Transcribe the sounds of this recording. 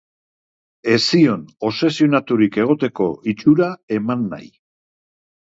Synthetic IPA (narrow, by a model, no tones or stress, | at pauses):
e̞sio̞no̞se̞sionat̪uɾike̞ɣ̞o̞t̪e̞ko̞it͡ʃuɾae̞manːa̰j